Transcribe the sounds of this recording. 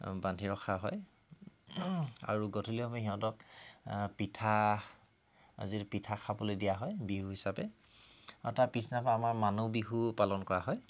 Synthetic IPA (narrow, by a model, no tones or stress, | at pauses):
bandʱiɹɔxʰaɦɔj | a̰ɹuɡɔtʰuliɔmɛɦiɦɔ̃tɔk | pitʰa | a̰zipitʰakʰabɔlojdijaɦɔjbiɦuɦisapɛ | ɔtapisnapaːmaɹmanobiɦupalɔnkɔɹaɦɔj